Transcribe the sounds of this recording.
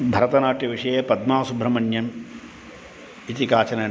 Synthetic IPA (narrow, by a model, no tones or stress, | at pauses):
bʱɐɾɐt̪ɐnaːʈ̪jɐʋiʂɐjeːpɐd̪maːsubʱɾɐmɐnjɐm | it̪ikaːt͡ʃɐnɐ